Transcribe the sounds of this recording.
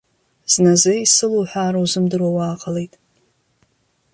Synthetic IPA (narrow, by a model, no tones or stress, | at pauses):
z̥nazɨisɨluːħʷᶣaːɾauzɨmdɨrwawaːqʼəle̞jtʼ